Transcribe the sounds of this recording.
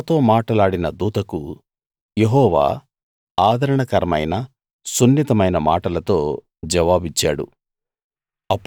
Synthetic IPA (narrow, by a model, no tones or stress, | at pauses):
t̪o̞ːmaːʈɐlaːɽinɐd̪uːt̪ɐku | je̞ɦɔːʋa̰ː | aːd̪ʱɐɾɐɳɐkɐɾɐmɐ̰jnɐ | sunːit̪ɐmɐjnɐma̰ːʈɐlɐt̪o̞ː | d͡ʒɛʋaːbit͡ʃːa̰ːɽṵ | ɐpː